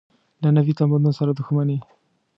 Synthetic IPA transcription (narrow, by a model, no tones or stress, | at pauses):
lanavit̪amband̪unosaɾad̪uxmane